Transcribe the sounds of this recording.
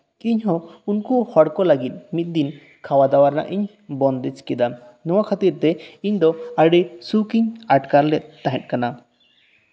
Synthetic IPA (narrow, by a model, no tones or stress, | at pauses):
iɲɦɔ̃unkuhɔɽkɔlaɡit̪̚ˀmit̪̚d̪in | kʰawad̪awaɾna̰ʔiɲ | bɔnd̪ɛt͡ʃkɛd̪a | nɔwakʰat̪iɾt̪ɛiɲd̪ɔaɖijsukiɲaʈkaɾlɛt̪̚ːaɦɛ̃t̪̚kana